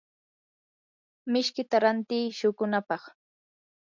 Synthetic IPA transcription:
mɪʃkɪt̪aɾant̪iːʃʊkʊnapɑχ

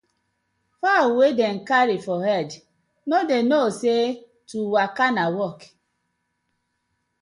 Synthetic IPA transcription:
fawedeŋ̩kaɾifɔɦɛd | nɔdenose | tuwakanawɔk

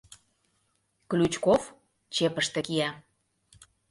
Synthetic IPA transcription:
klʲut͡ɕkof | t͡ɕepəʃt̪ĕkijæ

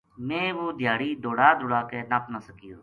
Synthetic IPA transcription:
mẽːʋoːd̪ʱjaːɾiːd̪oːɽaːd̪ʊɽaːkeːnaːpnasəkijoː

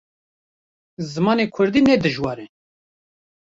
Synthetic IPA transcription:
zɨmɑːneːkʰʊɾd̪iːnɛd̪ɨʒwɑːɾɛ

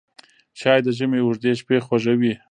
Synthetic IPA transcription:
ʃɑjd̪əʒəmeʊʐd̪eʃpexwaʒawi

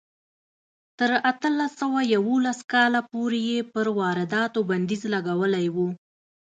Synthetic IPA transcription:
t̪əɾat̪əlasawajawolaskɑlapoɾejepəɾwɑɾɪd̪ɑt̪oband̪izlaɡawəlajwu

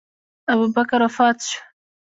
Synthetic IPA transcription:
abubakaɾafɑːt̪ʃḁ

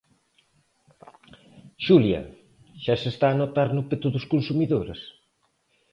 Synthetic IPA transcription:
ʃuljɐ̰ | ʃasest̪aːnot̪aɾnʊpet̪uðʊskonsumiðoɾa̰s

